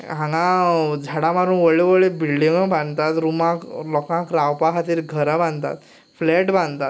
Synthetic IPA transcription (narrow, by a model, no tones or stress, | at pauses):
ɦãŋɡãd͡zʱaɽãmaɾuːnʋəɭeʋəɭebilɖiŋəbãnt̪at̪ɾumãklɔkãkɾawpaɦat̪iːɾɡʱəɾabãnt̪a̰t̪ | flɛʈbãnd̪t̪at̪